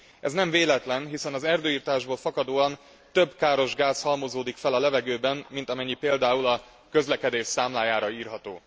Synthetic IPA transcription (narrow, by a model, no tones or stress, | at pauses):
ʔɛznɛɱveːlɛt̪lɛnɦisɛnɒzɛrd̪øːiːrt̪aːʒboːlfɒkɒd̪oːɒn | t̪ø̞bkaːɾo̞ʒɡaːshɒlmozoːd̪ikfɛlɒlɛvɛɡøːbɛmmint̪ɒmɛɲːipeːld̪aːulɒ | kø̞zlɛkɛd̪eːʃsaːmlaːjaːɾɒiːrɦɒt̪o̰ː